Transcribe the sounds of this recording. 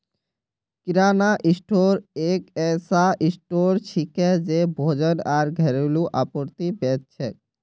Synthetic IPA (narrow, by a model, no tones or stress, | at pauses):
kiɾanaʔisʈoɾekɛsaʔisʈoɾt͡ɕʰikɛd͡ʑebʱod͡ʑənaɾɡʱɛɾeluʔapoɾt̪ibɛt̪̚t͡ɕʰe